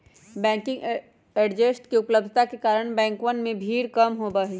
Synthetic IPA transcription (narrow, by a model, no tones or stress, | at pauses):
bɛ̃ːŋkɪ̃ŋɡ | eːɖd͡ʒesʈkiʊpləb̚d̪ʱt̪akekaːɾəɽ̃bɛ̃ːŋkwənmẽbʱiːɽkɐmɦobaːɦi